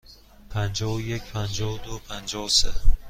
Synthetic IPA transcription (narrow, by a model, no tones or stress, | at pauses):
pʰænd͡ʒɒjecʰpʰænd͡ʒɒvd̪opʰænd͡ʒɒvse